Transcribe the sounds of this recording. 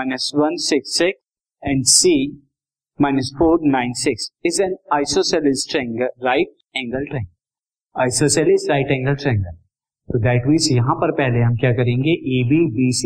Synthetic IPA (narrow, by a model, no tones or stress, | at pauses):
maɪnəsʋɐ̃nsɪksːɪks | ɛ̃ɳɖsi | maɪnəsfoːɾnãɪ̃nsɪksɪzɛ̃naɪsosɛlɪsʈɾɛ̃ŋɡəɾɾaɪʈ̚ | ɛ̃ːŋɡəlʈɾɛ̃ŋɡ | aːɪsoːsɛlɪsʈɾaɪʈɛ̃ːŋɡəlʈɾɛ̃ːŋɡəɾ | t̪od̪ɛːʈʋiːsjɐɦãpɐɾpɛɦleɦɐ̃mkjaːkɐɾẽːŋɡeʔeːbibiːs